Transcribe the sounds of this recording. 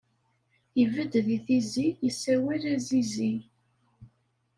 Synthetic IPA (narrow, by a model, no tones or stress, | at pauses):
ivəd̪ðiθizijəsːæwæɾæzizi